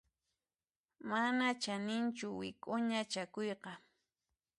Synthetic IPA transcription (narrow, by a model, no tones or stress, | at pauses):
manat͡ʃanɪnt͡ʃʊwɪ̰kʼʊɲat͡ʃakojqɑ